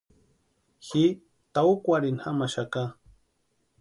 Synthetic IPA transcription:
xi | t̪aukʷaɾinhamaʃaka

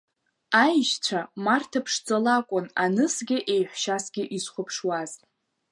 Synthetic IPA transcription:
ajʃt͡ɕʷʰamartʰapʰʂt͡sʼolakʷʼʊnanɨsɡʲɪʔe̞jħʷᶣʃasɡʲɪʔizχʷʊpʰʂwaztʼ

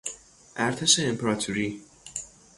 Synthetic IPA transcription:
ʔæɾt̪ʰeʃeːmpʰeɾɒt̪ʰuɾiː

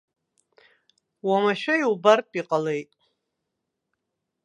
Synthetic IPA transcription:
wamaʃᶣaiwbarpʼiqʼalejtʼ

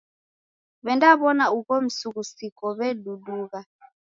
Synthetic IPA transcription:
βɛndaβɔnauɣɔm̩suɣusikɔβɛɗuɗuɣa

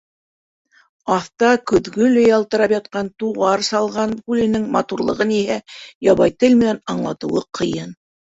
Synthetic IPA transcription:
ɑθt̪ɑkɵ̆ðɡɵlɘjɑlˠt̪ɤ̆ɾɑpjɑt̪qɑnt̪uʁɑɾsɑlˠʁɑnkʉlɘ̆nɘŋmɑt̪uɾlˠɤ̆ʁɤnihæjɑβɑjt̪ɘlmɘ̆nænɑɴlˠɑt̪ɤ̆wɤqʰɤ̆jɤn

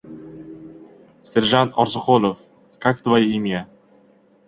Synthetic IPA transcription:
seɾʒant̪ɒɾzɨχolˠof | kʰakt̪vajimija

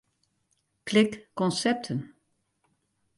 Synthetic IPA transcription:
klɪkːɔnsɛp̚tʰən

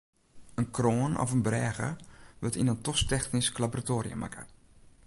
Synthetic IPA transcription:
ənkroːnɔ̰fənbrɛːɣə̰ʋətinəntɔstɛxnisklaboratoːɾḭjə̰mʔa̰kʰə̰

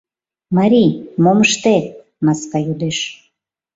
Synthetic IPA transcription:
maɾʲimoməʃt̪e | mɑskɑjud̪eʃ

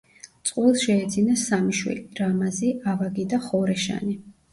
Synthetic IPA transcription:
t̪sʼqʼulˠsʃɛːd̪zinasamiʃwḭlɾamaziavaɡid̪aχɔɾɛʃa̰ni

